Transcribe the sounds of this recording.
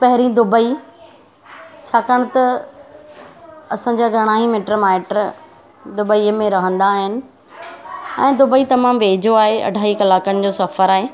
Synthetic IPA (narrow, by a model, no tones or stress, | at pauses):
pɐɦɪɾĩd̪ʊbəi | t͡ɕʰaːkəɽ̃t̪ɐ | ɐsãd͡ʑaːɡʱɐɽ̃aːɦimɪʈɾəmaːɪʈɾ | d̪ʊbəiəmẽɾɐɦə̃nd̪aɦɪnɪ̆ | ɛ̰̃ːd̪ʊbəit̪ɐmaːmʋeːd͡ʑʱoaːɦeɐ̰ɖʱaːɦikɐlaːkənɪ̆d͡ʑoːsɐfəɾaːɦeː